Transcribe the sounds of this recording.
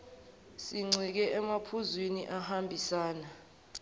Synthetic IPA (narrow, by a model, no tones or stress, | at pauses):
siŋ͡ǀʱik̬ɛʔɛmapʰuzwiniʔahambʱisaːna